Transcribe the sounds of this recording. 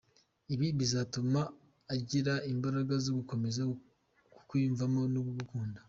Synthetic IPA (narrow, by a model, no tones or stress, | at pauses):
iβiβizatumaː | ɟiɾaimbaɾaɡazoɡuko̞me̞za | ku̥kwiːɱvamo̞nuβuβukuːnda